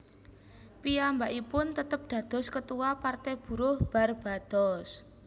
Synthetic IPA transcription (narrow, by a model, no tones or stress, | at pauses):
piambaʔipʊnt̪ət̪əp̚d̪̥ä̤d̪̥ɔ̤skət̪uwapart̪ɛb̥ṳɾʊhb̥a̤rb̥a̤d̪̥ɔs